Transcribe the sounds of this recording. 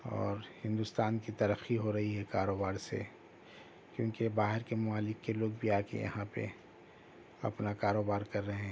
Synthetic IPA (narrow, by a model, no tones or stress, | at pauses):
ɔ̰ːɾhɪ̃nd̪ʊst̪aːnkit̪ɐɾəxːiɦoɾɐɦiɦɛkaːɾoːbaːɾsḛ | kjõːkebaːɦɪɾkemʊmaːlɪkːeloːɡ̚bʱiaːkḛjɐ̰ɦãpḛ | ɐ̰pnakaːɾoːbaːɾkɐɾːɐɦeɛ̃ː